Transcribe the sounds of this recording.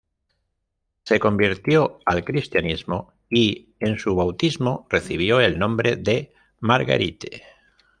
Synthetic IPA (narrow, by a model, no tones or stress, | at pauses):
se̞kõ̞mbiɾt̪joalkɾist̪janizmo | i | ensuβawt̪izmore̞θiβ̞joe̞lnõmbɾe̞ðe̞ | maɾɣa̰ɾit̪e